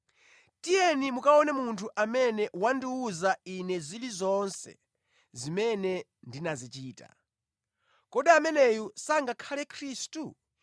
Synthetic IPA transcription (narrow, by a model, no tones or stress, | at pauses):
tijɛnimukaɔnɛmuntʰuʔamɛnɛwandiuzainɛzilizɔnsɛ̰ | zimɛnɛ | ndinazit͡ʃiːta̰ | kɔɗiamɛnɛjusaŋɡakʰalɛkʰɾiːstu